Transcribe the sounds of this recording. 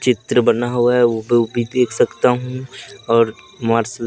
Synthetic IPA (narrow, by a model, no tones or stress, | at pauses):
t͡ʃɪt̪ɾəbɐnaɦoaɛʋobʱbʱid̪eːkʰsɐkt̪aɦũɔːɾ | maːɾsəl